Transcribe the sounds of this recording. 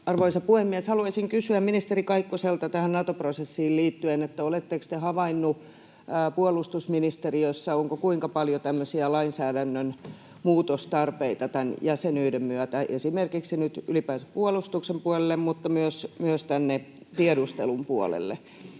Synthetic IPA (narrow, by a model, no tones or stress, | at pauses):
ɑrʋoisɑpuhemːiɛshɑluɑisiŋkysyæmminist̪erikɑikːoselt̪ɑt̪æhænnɑt̪oprosesːiːlliːt̪ːyenet̪ːæolet̪ːekst̪ehɑʋɑinːuː | puolust̪usminist̪eriøsːɑoŋkokuiŋkɑpɑljot̪æmːøsiælɑinsæːdænːøn | muːt̪ost̪ɑrpeit̪ɑt̪ænjæsenyːdemmyøt̪æʔesimerkiksinyt̪ylipæːse̥puolust̪uksempuɑlelːemmut̪ːɑmyøsmyøst̪ænːe | t̪iedust̪ḛlumpuo̰lḛlːḛ